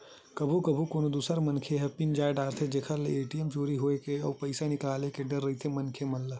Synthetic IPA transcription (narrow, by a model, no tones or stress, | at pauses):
kɐbʱukɐbʱukoːnod̪uːsəɾmɐnkʰeɦɛpind͡ʒaːjɖaːɾt̪ʰed͡ʒekʰəleeːʈiemt͡ʃoːɾiɦoekeɔːpɐɪsanɪkaːlekeɖɐɾːɐɦit̪ʰemɐnkʰemɐlːə